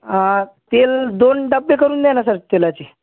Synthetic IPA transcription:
at̪eld̪onɖəbːekəɾuːnd̪ɛnasaɾt̪elat͡ɕe

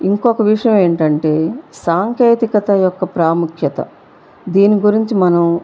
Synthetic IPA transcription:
iŋkɔkɐʋiʂɐjɐme̞ːɳʈɐɳʈe̞ːsaːŋkeːt̪ikɐt̪ɐjɔkːɐpɾaːmukʰjɐt̪ɐ̰ | d̪iːniɡuɾiɲt͡ʃimɐnɐm

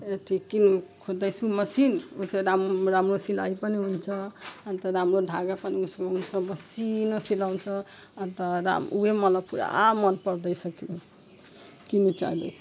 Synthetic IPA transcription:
eʈʰikːinukʰod̪əjsuməsinuseɾamɾamɾosila̰ipəniɦunt͡ʃʰʌant̪əɾamɾoɖʱaɡapəniuskeɦunt͡ʃʰʌməsinosilaunt͡ʃʰʌ | ant̪əɾa̰muɦemʌləbpuɾa̰amʌnpəɾd̪əjsəki | kinut͡ʃa̰id̪ə̰jsʰ

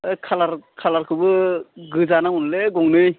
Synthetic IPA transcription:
ɯjkʰalaɾkʰalaɾkʰɯbɯɡɯzanaŋunleɡɔŋnɯj

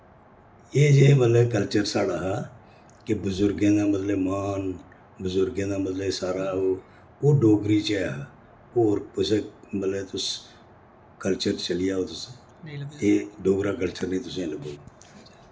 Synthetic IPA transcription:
eːd͡ʒeːmət̪ləbkəlt͡ʃəɾsaːɽaːɦaː | kebʊzʊɾɡẽːd̪aːmət̪ləbmaːn | bʊzʊɾɡẽːd̪aːmət̪ləbsaːɾaːɦoː | oːɖoːɡɾiːt͡ʃɛːɦ | oːɾʊsẽːmət̪ləbt̪ʊs | kəlt͡ʃəɾt͡ʃəlɪjaːɦoːt̪ʊsẽ | eːɖoːɡɾaːk̬əlt͡ʃəɾnəĩːt̪ʊsẽːləboː

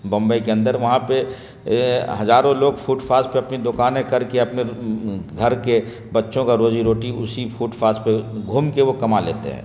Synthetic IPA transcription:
bɐ̃mbəikeɐ̃nd̪əɾʋɐɦãpe | ɦɐzaːɾõloːɡpʰuːʈfʰaːspeɐpnid̪ʊkaːnɦɛ̃kɐɾkeɐpneɡʱɐɾke | bɐtːʃõkaɾoːd͡ʒiɾoːʈiʊsipʰuːʈfʰaːspeɡʱuːmkeʋokɐmalḛːt̪ḛɦɛ̰̃ː

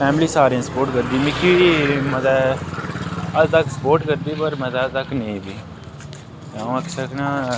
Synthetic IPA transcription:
pɛːmliːsaːɾẽːsəpoːɾʈkəɾd̪iːmɪkʰiməzɛː | əd̪t̪əkʰsə̥poːɾʈkəɾd̪iːpəɾməzɛːt̪əknẽbiː | aõːəksəknaː

